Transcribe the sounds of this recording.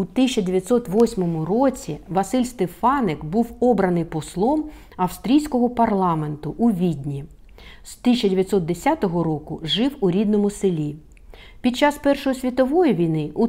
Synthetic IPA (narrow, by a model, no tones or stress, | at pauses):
ut̪it͡ʃɐdʲeʋʲjɐt̪sɔt̪ʋɔsʲmɔmʊrɔt͡sʲiʋɐsɪlʲst̪efɑnekbuwɔbɾɐnɪjpɔslˠɔm | ɐwst̪ɾʲijsʲkɔɦɔpɐrlˠɑme̞nt̪ʊʔuʋʲid̪ʲnʲi | st̪ɪsʲt͡ʃːɐdʲeʋʲjɐt̪sɔt̪̚d̪esʲat̪ɔɦɔɾɔkʊʒɪwuɾʲid̪nɔmʊselʲi | pʲid̪̚t͡ʃɑspɛrʃɔjɔsʲʋʲit̪ɔʋɔjiʋʲijnɪu